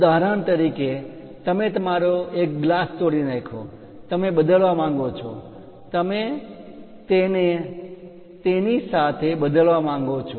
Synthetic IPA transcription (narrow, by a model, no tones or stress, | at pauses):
d̪aɾant̪əɾike | t̪əmet̪əmaɾoek̚ɡlast̪oɽinekʰo | t̪əmebəd̪əlʋamãŋɡot͡ʃʰɔ̰ | t̪əme | t̪ene | t̪enisat̪ʰebəd̪əlʋamãŋ̆ɡot͡ʃʰo